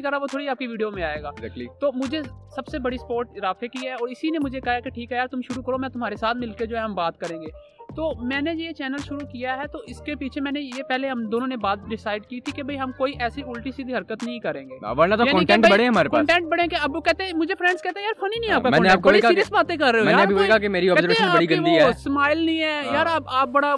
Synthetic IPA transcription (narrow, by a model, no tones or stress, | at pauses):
ĩkɐɾːaʋot̪ʰoːɽiaːp̚kiʋiːɖijomẽaːeːɡaːzɛklit̪oːmʊd͡ʒʱesɐbsebɐɽispoːɾʈɾaːfekiɦɛɔːɾɪsinemʊd͡ʒʱekɐɦajakeʈʰiːkɦɛjaːɾt̪ʊmʃʊɾukɐɾomɛ̃ːt̪ʊmɦaːɾesaːt̪ʰmɪlked͡ʒoːɦɛɦɐmbaːt̪kɐɾẽːŋɡeː | t̪oːmɛ̃ːnejet͡ʃɛːnəlʃʊɾukijaɦɛt̪oːɪskepiːt͡ʃʰemɛ̃ːnejepɛɦleɦɐmd̪oːnõnebaːt̪̚ɖɪsaːɪɖkiːt̪ʰikebʱɐiɦɐmkoːiʔɛːsiʊlʈisid̪iɦɐɾkət̪nɐɦĩkɐɾẽːŋɡḛːʋɐɾnɐt̪ojakɔ̃ːiɳkʈɛ̃ɳʈbɐɽẽɦɐmaːɾekɔːɳʈɛ̃ɳʈ̚bɐɽẽkeɐbʋokɛːt̪eɦɛ̃mʊd͡ʒʱepʰfɾɛ̃ːɳɖskɛːt̪eɛ̃jaːɾfʰɐninɐ̃ĩaːpkamɛ̃ːneaːp̚kobɐɽiiːiəsbaːt̪ẽkɐɾːeomɛːaneɐbʱibkaakemeːɾiɔːbkɛːzəɾeʃə̃nabɐɽiɡɐ̃d̪iɛsmaːɪlnĩɛːjaːɾapaːp̚bɐɽa